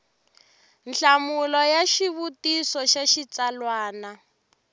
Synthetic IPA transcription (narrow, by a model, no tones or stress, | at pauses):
nɬamulɔjaʃiβutisɔʃaʃit͡salwaːna